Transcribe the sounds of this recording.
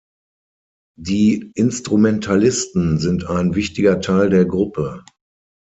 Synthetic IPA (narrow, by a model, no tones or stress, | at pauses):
diːʔɪnstʁ̥umɛntʰalɪstn̩zɪntaɪnvɪçtɪɡɐtʰaɪldeːɐɡʁʊpʰə